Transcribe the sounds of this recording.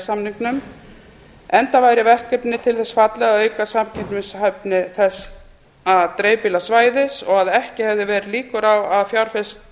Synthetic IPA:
samniŋknʏm | ɛnt̪avaːjɾɪvɛr̥kɛpnɪt̪ʰɪlθɛsfat̪lɛɣaœːɥkasamcʰɪnt̪mɪsɦɛpnɪθɛs | aðt̪ɾeːjpilasvaːjðɪsɔɣaðɛhcɪhɛvðɪvɛːɾɪliːkʏɾawaðfjawɾ̥fɪst̪̚

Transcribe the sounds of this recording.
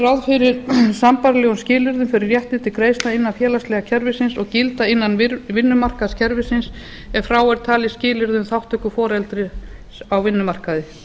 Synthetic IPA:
rawðfɪɾɪɾsampaɾlɛɣunscɪːlɪɾðʏmfɪɾɪɾjɛht̪ɪt̪ɪkɾeːjst̪aɪnːanfjɛːlast̪lɛːɣacʰɛɾvɪsɪnsɔɣcɪlt̪aɪnːanvɪnːʏmar̥kaðscʰɛɾvɪsɪns | ɛfɾaːwɛɾ̥t̪ʰaːlɪscɪːlɪɾðʏmθawht̪ʰœhkːʏfɔːɾɛlt̪ɾɪ | awvɪnːʏmar̥kaðɪ

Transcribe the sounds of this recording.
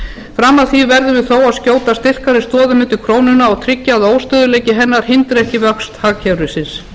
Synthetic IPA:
fɾamːaðθivɛɾðʏvɪðθoːwaðscoːwt̪ast̪ɪr̥kaɾɪst̪ɔːðʏmʏːt̪ʏkʰɾoːwnʏnaːwt̪ʰɾɪcːaːðoːwst̪ʏːðʏleːjcɪɦɛnːaɾ̥hɪnt̪ɾɛhcɪvœkst̪haːcʰɛwɾʏsɪns

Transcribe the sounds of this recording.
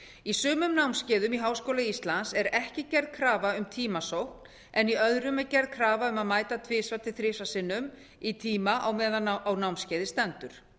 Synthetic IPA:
isʏːmʏmnawmscɛːðʏmiɦaːwskoːwlaist̪lansɛɾɛhcɪcɛɾðkʰɾaːvaʏmt̪ʰiːmasowhkn̥ | ɛniœðɾʏmɛðcɛɾðkʰɾaːvaʏmaðmaːjt̪at̪ʰvɪːsvat̪ʰɪθɾɪːsasɪnːʏm | it̪ʰiːmaʔawmɛːðaawnawmscɛːðɪst̪ɛnt̪ʏɾ̥

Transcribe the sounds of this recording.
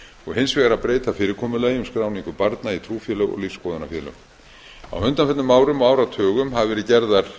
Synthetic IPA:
ɔɣhɪnsvɛːɣaɾapɾeːjt̪afɪːɾɪɾkʰɔːmʏlɛːjʏmskɾaːwniŋkʏpaɾt̪nait̪ʰɾuːfjɛːlœɣɔ̰ɣliːskɔːðana̰fjɛːlœ̰ɣ | a̰wmʏnt̪anfɛt̪nʏmːaːwɾʏmaːwɾat̪ʰœːɣʏmhavɪvɛːɾɪcɛɾðaɾ̥

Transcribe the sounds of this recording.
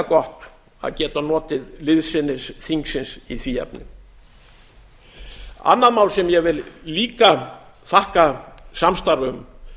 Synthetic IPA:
kɔht̪ | a̰ðcɛːt̪anɔːt̪ɪðlɪðsɪnːɪsθiŋksɪnsiθviːɛ̰pnɪ̰ | a̰nːaðmaːwlsɛmjɛvɪlliːka | θahkasamst̪aɾʏm

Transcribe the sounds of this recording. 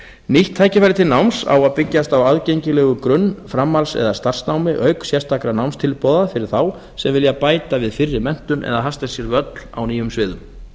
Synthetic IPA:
niht̪ʰːaːjcɪfajɾɪt̪ʰɪlnawmsa̰waðpɪcːast̪awaðcejɲcɪlɛɣʏkɾʏnːfɾamːalsɛ̰ðast̪ar̥snawmɪʔœɥksjɛr̥st̪ʰakɾanawmst̪ʰɪlpɔðafɪɾɪɾ̥θaw | sɛmvɪljapaːjt̪avɪðfɪrːɪmɛn̥t̪ʏnʔɛ̰ðaɦast̪ḁsjɛɾvœt̪l̥a̰wniːjʏmsvɪːðʏm

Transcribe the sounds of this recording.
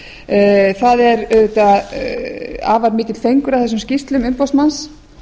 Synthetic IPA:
θaðɛɾɛvet̪a | a̰ːvaɾmɪːt̪ɪt̪l̥fejŋkʏɾawθɛs̬ːʏmscist̪lʏmʏmpawsmans

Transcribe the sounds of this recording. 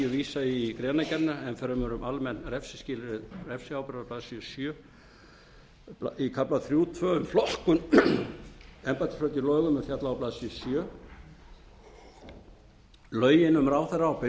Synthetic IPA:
ʏviːsaikɾɛːnacɛt̪naɛnfɛɾamɛɾʏmalmɛnɾɛfsɪscɪːlɾɪðrɛfsɪaːwpɾðaplaːðsjœsjœː | aikʰaplaθɾjuːt̪ʰvœːʏmflɔhkʏn | ɛmpat̪ʰɪ̥flœːt̪ilɔːɥɣʏmɛðfjat̪laɔwplaːðsjœsjœː | lœːɥjɪnʏmɾaːwθaɾaːwpɪ

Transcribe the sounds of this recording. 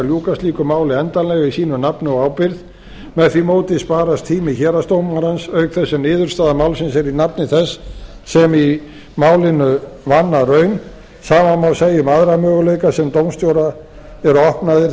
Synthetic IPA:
ljuːkasliːkʏmaːwlɪɛnt̪anlɛɣaisiːnʏnapnʏɔawpɪɾð | mɛðθimoːwt̪ɪspaːɾast̪ʰiːmɪçɛːɾast̪owmaɾansœɥkθɛsːɪnɪːðʏɾ̥st̪aːðamawlsɪnsɛɾinapnɪθɛsːɛmi | maːwlɪnʏvanːarœɥn | saːmamawseːjʏmaðɾamœːɣʏleɥkasɛmt̪owmst̪joːwɾa | ɛɾɔhpnaðɪ

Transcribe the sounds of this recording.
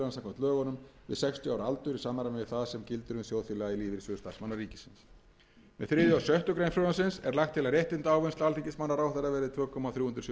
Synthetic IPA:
ɾansamŋkʰɔmt̪œːɣɔnʏmvɪ̰ðsɛkst̪ʰjʏawɾalt̪ʏɾisaːmaɾamɪvɪθaðsɛmcɪlt̪ʏɾʏnsjoːwθɪlɛɣailiːvɪɾsʏːðʏst̪ḁsmanːariːcɪ̥sɪns | mɛðθɾɪːðjʏawsœht̪ʏkɾejnfɾoansɪnsɛɾlaxt̪ʰːɪlaɾjeht̪ɪnt̪aːwvʏnt̪alicɪsmanːaɾaːwθaɾavɛːɾɪðt̪ʰvœːkʰɔmaθɾjuːhʏnt̪ɾ̥s

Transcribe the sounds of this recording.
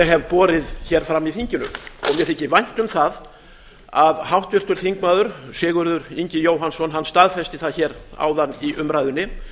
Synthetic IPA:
ɛɣɦɛvpɔːɾɪðçɛɾ̥fɾamːiθiɲcɪnʏ̰mɔ̰mɛθɛhcːɪvajn̥t̪ʏmθað | aðhawht̪vɪr̥t̪ʏɾ̥θiŋk̚maːðʏɾsɪːɣʏɾðʏɾiɲcɪjoːwɦansɔnɦanːst̪aːðfɛst̪ɪθaðçɛːɾa̰wðaniʔʏmɾajðʏnːɪ

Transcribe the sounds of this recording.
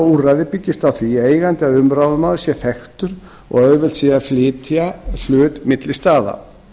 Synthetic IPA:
urajðɪpɪcːɪst̪awθvieːjɣant̪ɪaðʏmɾawðmaðsjɛθɛxt̪ʏɾ | ɔ̰ɣœɥvɛl̥t̪siːjaflɪːt̪ʰjal̥ʏːt̪mɪt̪lɪst̪aːða̰

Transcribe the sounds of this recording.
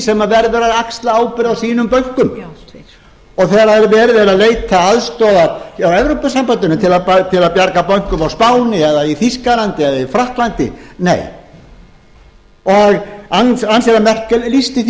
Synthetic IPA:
sɛmːavɛɾðʏɾaðakst̪laaːwpɪɾðasiːnʏmpœŋ̥kʏm | ɔɣθɛɾaɛɾvɛːɾvɛɾaleːjt̪ʰaaðst̪ɔːðaawɛvɾowpasampant̪ʏnʏmt̪ʰɪlaðpat̪ʰɪlaðpjaɾkapœŋ̥kʏmawspaːwnɪɛðaiθiskalant̪ɪɛðaifɾaht̪lant̪ɪ̰nḛːj | ɔaɣansansɛɾamɛr̥klist̪ɪθ

